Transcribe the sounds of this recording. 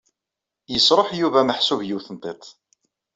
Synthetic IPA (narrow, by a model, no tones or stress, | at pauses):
jəsˤɾˤoħjuvæməħsuvjiwθənt̪ˤet̪ˤ